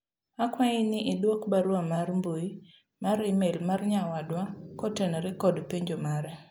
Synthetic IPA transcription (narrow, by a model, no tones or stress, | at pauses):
akwainɪʔɪdwokbaɾwamarmboi | maɾɪmelmarɲawadwakɔtenɾɪkɔdpeɲd͡ʒɔmaɾɛ